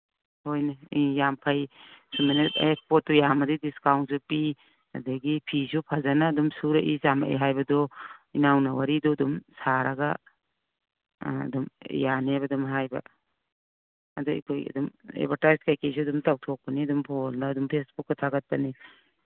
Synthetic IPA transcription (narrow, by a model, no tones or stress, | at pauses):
hojnaijampʰajsumenetekspɔt̚ːɔjamadidiskawnt̚supi | a̰daɡipʰisupʰazanaːdumsuɾaʔizama̰ʔḛɦajbɐdɔinawnawaɾidɔdumsaɾaɡa | dum̰janebadumɦajba̰ | ɐdɔḭkʰojɐ̰dumḛbatajskajkes̬uɐdumtawtʰɔk̚paniɐdumpʰɔlnaːdumpʰesbukːɐtʰaɡat̚pani